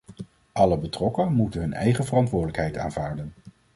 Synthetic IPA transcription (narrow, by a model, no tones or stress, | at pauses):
ʔɑləbətrɔkənmutənɦɵnɛ̰jχəvərɑntʋʊːɹdələkɦɛjta̰ːnvaːɹdən